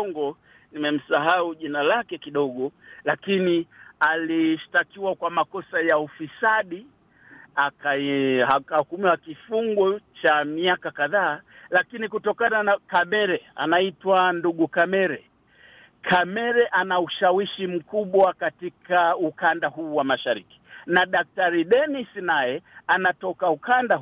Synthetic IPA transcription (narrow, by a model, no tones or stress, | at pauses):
ɔŋɡɔ | nimɛm̩saɦauʄinalakɛkiɗɔɠɔlakinialiʃtakiwakwamakɔsajaufisaɗi | akaiaahukumiwakifuŋɡɔt͡ʃamiakakaðaːlakinikutɔkananakamɛɾɛa̰naitwanduɠukamɛɾɛ | kʰamɛɾɛʔanauʃawiʃim̩kuɓwakatikaukandahuːwamaʃaɾiki̥naɗak̚taɾiɗɛnisnajɛanatɔkaukandah